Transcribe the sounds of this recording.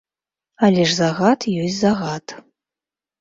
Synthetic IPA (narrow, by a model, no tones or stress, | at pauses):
alʲɛʂzaɣat̪jɔsʲzaɣat̪